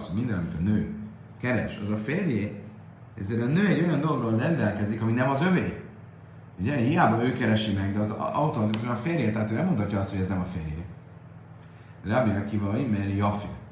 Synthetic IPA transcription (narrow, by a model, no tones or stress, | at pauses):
shoɟmind̪ɛnɒmit̪ɒnøː | kɛɾɛʃɒzɒfeːrjeː | ɛ̰zeːɾɒnøːɛɟːo̞jɒnd̪oloɡroːlrɛnd̪ɛlkɛzikɒminɛmɒzøveː | uɟɛhijaːbɒøːkɛɾɛʃimɛɡd̪ɛɒzɒwt̪o̞mɒt̪ikuʃɒnɒfeːrjeːt̪ɛɦaːt̪øːnɛlmot̪ʰɒcːɒɒst̪hoɟɛznɛmɒfeːrje | rɛɒbiɛkivɒloimɛljɒfḭ